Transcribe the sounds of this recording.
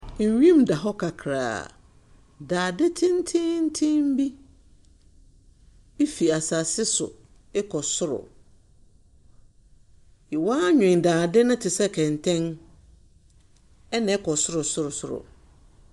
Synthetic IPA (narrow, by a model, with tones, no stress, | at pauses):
ɲ̩˨ɥĩ˦mda˨ɦɔ˦kʰa˨kʰɾa̰ː˨ | daː˨dɪ˦tʰɪ̃˦n̩˦tʰɪ̃˦n̩˦tʰɪ̃˦m̩˦bi˦ | e˦fi˨a˨sa˨sɪ˦sʊ̰˨ | ɛ˦kʰɔ˨sʊ˦ɾʊ̰˨ | ɪ˨waː˦ɲᶣʊ̃˨n˨daː˨dɪ˦nʊ̃˦tʰɪ˨sɛ˦kʰɛ̃˨ntʰɛ̃˦n | ɛ˦nã˨ɛ˦kʰɔ˨sʊ˦ɾʊ˨sʊ˦ɾʊ˨sʊ˦ɾʊ̰˨